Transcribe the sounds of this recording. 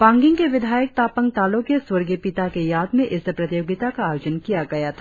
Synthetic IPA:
pãːŋɡɪ̃ŋkeʋɪd̪ʱaːjək̚t̪aːpəŋɡ̚t̪aːlokjeswɐɾɡipɪt̪akejaːd̪mẽʔɪsepɾɐt̪ɪjoːɡɪt̪akaːjoːd͡ʒənkijaɡɐjat̪ʰa

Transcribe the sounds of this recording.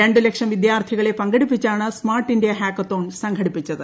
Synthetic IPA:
ɾeɳɖɨlekʂɐmʋid̪jaːrt̪ʰiɣɐɭe̞pɐŋɡɐɽipːit͡ɕːaːɳɨsmaːrʈːindjɐɦaːkːɐt̪ːoːnsɐŋɡʰʱɐɽipːit͡ɕːɐðɨ

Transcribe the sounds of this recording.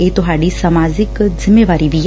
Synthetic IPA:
eːt̪ʊɦaːɖisamaːzɪkzɪmːeːʋaːɾibi

